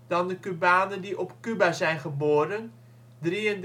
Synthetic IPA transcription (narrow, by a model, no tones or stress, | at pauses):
d̥ɑndəkybaːnəndiʔɔpkybazɛjnχəboːɾən | driənd